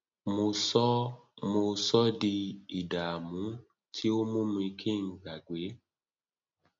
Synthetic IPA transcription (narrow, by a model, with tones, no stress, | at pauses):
mo˧sɔ˦mo˧sɔ˦di˧i˨da˨a˨mũ˨˦ | tʰi˦o˦mũ˦mũ˧i˧kʰe˦˨ŋ̩˨ɡa˨ɡʷe˨˦